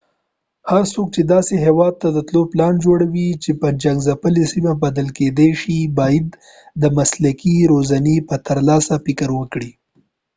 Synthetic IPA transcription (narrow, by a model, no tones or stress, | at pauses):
haɾsok̚t͡ʃed̪ɑseɦewɑd̪̚t̪ad̪ət̪loplɑnd͡ʒoɽawit͡ʃepəd͡ʒaŋɡzapəlesimabad̪əlked̪eʃibɑjad̪ː | əmaslakiɾozanepət̪əɾlɑsafɪkəɾwəkɽi